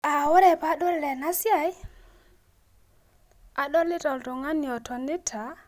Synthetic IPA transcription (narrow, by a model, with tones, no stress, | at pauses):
a˨wʊ˦ɾe˨pa˦ɗɔ˦lːɛ˨na˦sja˨j | a˨ɗɔ˦lɪ˦tɔ˨ltɔ˨ŋa˦ni˨ɔ˨tɔ˨ni˦tʰa˨˦